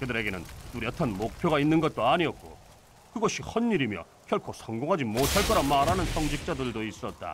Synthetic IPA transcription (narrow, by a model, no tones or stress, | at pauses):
kɯdɯɾe̞ɡe̞nɯnt͈uɾjʌtʰanmok̚pʰjoɡainːɯnɡʌt̚t͈oaɲiʌt̚k͈o̰ | kɯɡʌɕ͈ʰihʌnːiɾimjʌ̰ | kʰjʌɭkʰosʰʌŋɡoŋɦad͡ʑimotʰaɭk͈ʌɾamaɾɦanɯnsʰʌŋd͡ʑik̚t͡ɕ͈adɯɭdois͈ʌt̚t͈a̰